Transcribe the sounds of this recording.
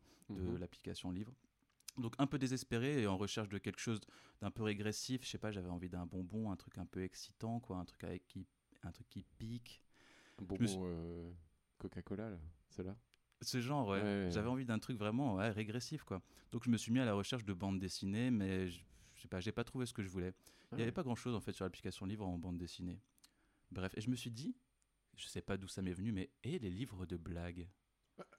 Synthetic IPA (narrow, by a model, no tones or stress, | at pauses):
d̪əlapli̥kasjɔ̃livʁ | d̪ɔ̃kɛ̃pød̪ezɛspeʁeːɑ̃ʁəʃɛʁʃd̪əkʲɛlkə̥ʃozd̪̥ɛ̃pøʁeɡʁesifʃɛpaʒavɛɑ̃vid̪ɛ̃bɔ̃bɔ̃ɛ̃t̪χykɛ̃pøɛksi̥t̪ɑ̃kwaɛ̃t̪χyka̰ɛ̰kʲːi | ɛ̃t̪χykʲːipik | bʒəməsø | kɔkakɔlalasəla | səʒɑ̃ʁwɛɛʒavɛɑ̃vid̪ɛ̃t̪χykvʁɛmɑ̃wɛʁeɡʁesifkwad̪̥ɔ̃kʒəməsɥimialaʁəʃɛʁʃd̪əbɑ̃d̪d̪esinemɛʒəʃɛpaʒapat̪χuves̬ə̥kəʒəvulɛiljavɛpaɡʁɑ̃ʃozɑ̃fɛt̪syʁlapli̥kasjɔ̃d̪əlivʁɑ̃bɑ̃d̪d̪esine | bʁɛfeʒəməsɥid̪i | ʒ̥əsɛpad̪usamɛvənymɛelelivʁəd̪əblaɡ